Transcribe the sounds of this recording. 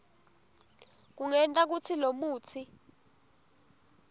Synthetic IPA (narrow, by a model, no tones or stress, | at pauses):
k̬uŋɛntʼak̬ut͡sʰilomuːt͡sʰi